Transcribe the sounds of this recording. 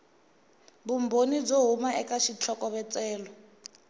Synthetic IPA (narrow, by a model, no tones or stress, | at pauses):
bumbʱonid͡zoɦumaʔɛkaʃit͡ɬʰɔkʼɔβɛt͡sɛːlɔ